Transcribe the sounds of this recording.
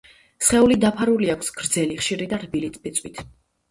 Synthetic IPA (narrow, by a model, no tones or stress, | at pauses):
sχɛulid̪apʰaɾuliakʷʰsɡ̥ɾd̪zɛliχʃiɾid̪aɾbilit̪ʼpit̪sʼwit̪ʰ